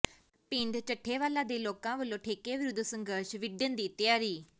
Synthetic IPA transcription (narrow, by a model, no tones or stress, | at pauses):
pɪ̃ɳɖt͡ʃəʈʰːeːʋaːlãːd̪eːloːkãːʋəlːõːʈʰeːkeːʋɪɾʊd̪ʱsə̃ŋɡəɾʃʋɪɖənd̪iːt̪jaːɾiː